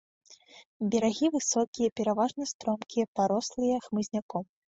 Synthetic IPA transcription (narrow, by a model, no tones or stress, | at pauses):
bʲɛɾaɣʲivɨsɔkʲijɐpʲɛɾavaʐnɐst̪ɾɔmkʲijɐpaɾɔslˠɨjɐxmɨzʲnʲakɔm